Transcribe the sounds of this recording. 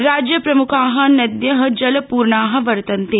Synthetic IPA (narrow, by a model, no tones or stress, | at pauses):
ɾaːd͡ʒjəpɾɐmukʰaːɦɐ̆nɐd̪jəɦɐd͡ʒɐlpuːɾɳaːɦɐ̆ʋɐɾt̪ɐnt̪eː